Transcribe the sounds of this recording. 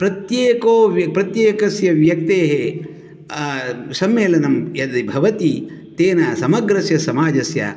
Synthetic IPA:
pɾɐt̪jeːkoːʋjɐpɾɐt̪jeːkɐsjɐʋjɐk̚t̪eːɦe | sɐmːeːlɐnɐmjɐd̪ibʱɐʋɐt̪i | t̪eːnɐsɐmɐɡɾɐsjɐsɐmaːd͡ʒɐsjɐ̰

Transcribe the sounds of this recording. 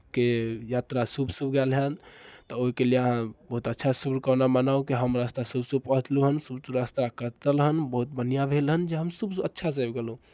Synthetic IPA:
kejat̪ɾasubʱsubɡɛlɦənt̪ɔoikelieəɦãbəɦut̪ətːt͡ʃʰasubkənamənaukiɦəmɾast̪asubʱsub̚pəɦət̪luɦənsubsuɾast̪akəɾt̪əlɦənbəɦut̪̚bənijabʱelɦənd͡ʒeɦəmsubə̰tːʃʰas̬əbɡelũ

